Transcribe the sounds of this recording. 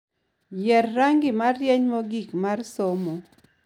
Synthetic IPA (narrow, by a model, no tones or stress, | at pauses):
jɛrːaŋɡɪmarjɛɲmoɡikmarsomo